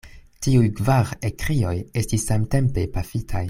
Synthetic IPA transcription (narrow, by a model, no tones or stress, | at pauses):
tiujkvaʁekɾio̞je̞stisːamte̞mpe̞pafitʰaj